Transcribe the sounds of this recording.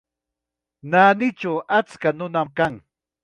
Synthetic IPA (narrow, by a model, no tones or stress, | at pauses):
naːnɪt͡ʃawʔat͡skanʊnamkaŋ